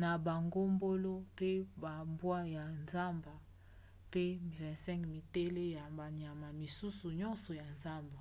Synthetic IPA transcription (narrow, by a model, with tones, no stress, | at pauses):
na˨ba˨ŋɡo˦mbo˦lo˦pe˦ba˨mbwa˦ja˨nza˦mba˨ | pe˦˨vɛ̃˨sɛ̃˦kmi˨te˦le˦ja˨ba˨ni˨a˨ma˨mi˨su˦su˨ɲɔ˦nsɔ˨ja˨nza˦mba˨